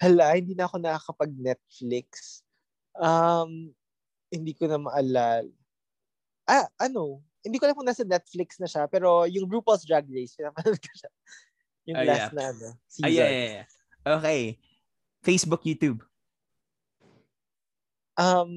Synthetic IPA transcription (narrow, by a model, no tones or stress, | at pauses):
ɐlahɪnd̪iːnɐʔɐko̞nɐɐkɐpɐɡ̚nɛt̪̚flɪks | ʔɐm | hɪnd̪iːkonɐmɐʔɐlal | ʔaʔɐno̞ | hɪnd̪iːkolɐŋpoŋnasɐnɛt̪̚flɪksnɐʃapɛːɾo̞jʊŋbɾuːpɐlsd̪ɹaɡ̚ɹejspɪnaːmɐnɐlkɐ̥ʃa | jʊŋlasnɐʔɐnosia | ʔokej | fejsbʊkjuːt̪jub | ʔɐm